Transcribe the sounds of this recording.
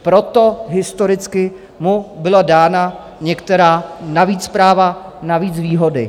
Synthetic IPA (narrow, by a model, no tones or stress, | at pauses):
pɾo̞t̪o̞ɦɪst̪oɾɪt͡skɪ | mubɪladaːna | ɲɛkt̪ɛɾaːnaviːt͡sːpɾaːvanaviːt͡sviːɦodɪ